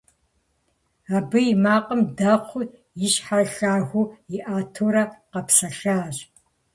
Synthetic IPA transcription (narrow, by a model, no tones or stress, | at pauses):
aːbɨjimaːqʼəmdɐχʷʊ | jɪɕħaɬaːɣʷʊjɪʔaːtʰoɾɐqɐpsɐɬaːɕ